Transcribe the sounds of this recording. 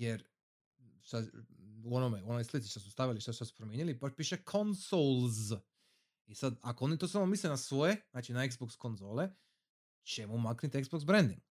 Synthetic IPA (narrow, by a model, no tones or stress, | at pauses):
jeɾ | sad̪uonomeuo̞nojslit̪si̥ʃt̪osust̪aʋjaliʃt̪asu̥t̪ad̪su̥pɾomʲjeːnilibaʃpiːʃekʰonsolˠz | isad̪ako̞o̞nit̪osalmomislenasʋo̞jenaːt͡ʃinaeɡzboksko̞nzo̞ːle | t͡ʃemumaknit̪eɡzboks̬bɾend̪ḭŋɡ